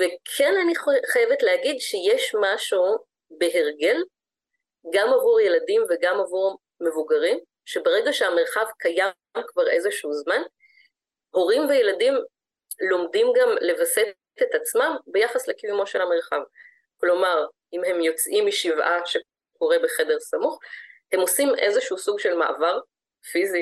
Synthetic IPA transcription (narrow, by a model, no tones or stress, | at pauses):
vekʰenaniχajevetleaɡidʃejeʃmaʃu | be̞ɦe̞ʁɡe̞l | ɡamavuʁje̞ladimveɡamavuʁ | me̞vuɡaʁim | ʃe̞beʁe̞ɡaʃeame̞ʁχavkaja | mkvaʁe̞zeʃuzman | ho̞ʁimvejeladim | lo̞mdimɡamle̞vase | t̪et̪at͡smambejaχaslekivumo̞ʃelhame̞ʁχav | klo̞maʁ | imhe̞mjo̞t͡sʔimːiʃivʔa̰ʃe | koʁe̞beχe̞de̞ʁsamuχhe̞mo̞simʔe̞zeʃuusuɡʃe̞lma̰ʔa̰vaʁ | fizi